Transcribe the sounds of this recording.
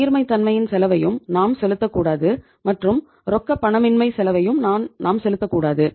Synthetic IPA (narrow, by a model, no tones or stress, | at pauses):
ɪɾmɐɪt̪ːɐnmɐjɪnsɛlɐʋɐjɯmnaːmsɛlɯt̪ːɐkːuːɽaːðɯ | mɐʈrɯm | ɾɔkːɐpːɐɳɐmɪnmɐɪsɛlɐʋɐjɯmnaːnnʔaːmsɛlɯt̪ːɐkːuːɽaːðɯ